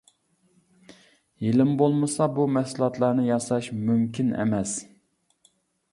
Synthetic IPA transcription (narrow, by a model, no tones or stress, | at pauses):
jelɪmbolˠmɨsɑbumɛsulˠɑt̪lˠɑɾnɨjɑsɑʃmymkʲinɛ̰mɛs